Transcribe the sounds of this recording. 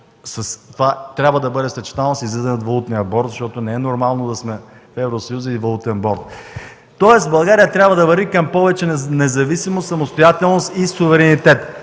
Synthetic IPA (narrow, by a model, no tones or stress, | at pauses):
sɐst̪ovat̪ɾʲabvəd̪ɐbɤd̪ɛfspɛt͡ʃɛ̥t̪alˠnɐsizlɛzɛnot̪vɐlˠut̪nijəbɔɾt̪zɐʃt̪ɔt̪onɛɛnoɾmalˠnod̪ɐsmɛ | fɛvɾosɐjuzəivɐlˠut̪ɛnbɔɾt̪ | t̪ɔɛst̪bɐlˠɡaɾijət̪ɾʲabvəd̪ɐvɐɾvikɐmpɔvɛt͡ʃɛnɛzɐvisimot̪sɐmost̪ojat̪ɛlˠnost̪isuvɛɾɛnit̪ɛt̪